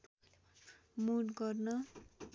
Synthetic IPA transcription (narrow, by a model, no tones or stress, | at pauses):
muɽɡʌrnʌ